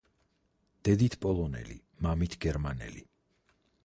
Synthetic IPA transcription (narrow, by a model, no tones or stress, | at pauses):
d̪̥ɛd̪it̪ʰpʼɔlˠɔnɛ̰lḭ | mamit̪ʰɡɛɾmanɛ̰li